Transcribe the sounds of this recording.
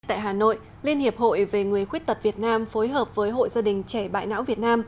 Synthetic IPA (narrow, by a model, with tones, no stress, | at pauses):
t̪a̰ː˧˨jɦaː˨˩no̰˧˨j | li˧ənhi˨˩əp̚ho̰˧˨jve˨˩ŋɨ˨˩əjxwt̚t̪ə˨˩t̚vi˨˩ət̚naː˧mfo˨˦jɦəː˨˩p̚vəː˨˦jɦo̰˧˨jzaː˧ɗï˨˩ŋ̟t͡ɕɛ˧˩ɓa̰ː˧˨jna̰ː˧˥wvi˨˩ət̚naː˧m